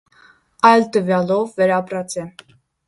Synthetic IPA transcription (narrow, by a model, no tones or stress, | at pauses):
ɑjlt̪əvjɑlɔvːɛɾɑpɾɑt͡sʰɛ